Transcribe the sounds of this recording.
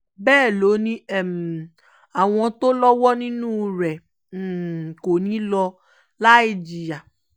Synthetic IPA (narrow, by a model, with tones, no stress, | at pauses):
bɛː˦˨lo˨˦nĩ˦ɛ˦˨m˨ | a˨w̃ɔ̃˧to˦lɔ˦wɔ˦nĩ˦nũː˦ɾɛ˨ | ko˨nĩ˨˦lɔ˧ | la˦ei˦˨d͡ʒi˨ja˨